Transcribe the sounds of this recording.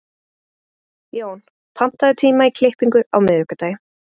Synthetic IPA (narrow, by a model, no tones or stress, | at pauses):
joːwn | pʰam̥t̪aðʏt̪ʰiːmaikʰlɪhpiŋkʏa̰wmɪðʏhkat̪aːjɪ